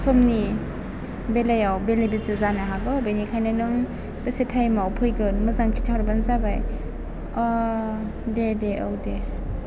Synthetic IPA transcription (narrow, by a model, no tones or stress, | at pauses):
sʰɔmni | belajawbelejbesezanaɦaɡɯbenikʰajnɯnɯŋ | b̥esetʰajmawpʰɯjɡɯnmɯzaŋtʰi̥tʰawɾbanzabaj | ɔ | dedeɯwde